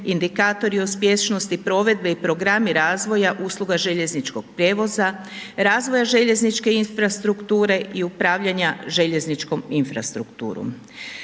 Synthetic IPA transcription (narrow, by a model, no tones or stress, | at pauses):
ind̪ikaːt̪o̞ɾiospjest͡ʃnost̪ipɾo̞ʋe̞d̪̚be̞ipɾo̞ɡɾamiɾaːzʋo̞jaʔuːslˠuɡaʒe̞ʎe̞znit͡ʃko̞ɡ̥̚pɾjeːʋo̞za | ɾaːzʋo̞jaʒe̞ʎe̞znit͡ʃke̞infɾast̪ɾukt̪uːɾe̞ʔiupɾaːʋʎaɲaʒe̞ʎe̞znit͡ʃko̞minfɾa̰st̪ɾukt̪ṵːɾṵm